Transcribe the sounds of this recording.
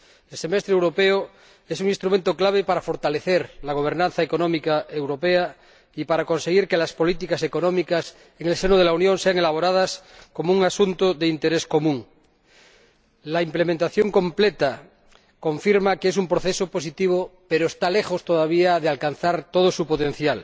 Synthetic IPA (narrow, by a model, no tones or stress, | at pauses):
else̞mest̪ɾewɾo̞peo | esuŋinst̪ɾument̪oklaβ̞epaɾafo̞ɾt̪aleθeɾlaɣ̞o̞β̞e̞ɾnãnθaekonõmikaewɾo̞pea | ipaɾako̞nse̞ɣiɾkelaspo̞lit̪ikase̞ko̞nõmikas | eŋelsenoð̞e̞launjõnseaŋe̞laβ̞o̞ɾað̞asko̞mouŋasunt̪oðeint̪eɾesko̞mũŋ | laimplemẽnt̪aθjoŋkõ̞mplet̪a | ko̞ɱfiɾmakees̬umpɾoθesopo̞s̬it̪iβ̞opeɾoest̪ale̞xost̪oðaβ̞iaðealkanθaɾt̪oð̞osupot̪en̟θjal